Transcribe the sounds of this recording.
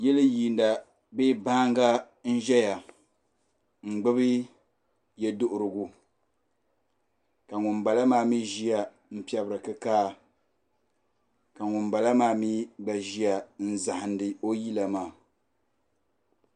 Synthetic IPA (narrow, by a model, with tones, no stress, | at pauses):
jɛ˦lɨ˦ji˨n˦da˨ | be˦ba˦ŋɡa˦ | n̩˦ʒɛ˦ja˨ | ŋ͡m̩˨ɡ͡bɨ˦βɨ˦ | jɛ˦dʊ˦ʔʊ˨ɾɨ˨ɡu˨ | ka˨ŋʊ˨nba˨la˦maː˦mi˦ʒi˦ja˨ | m̩˦pi˦ɛ˨bɨ˨ɾɨ˨kɨ˦kaː˦ | ka˨ŋʊ˨nba˨la˦maː˦mi˦ɡ͡ba˨ʒi˦a˨n̩˦za˨hɪ˨ndɨ˨o˦ji˦la˨maː˨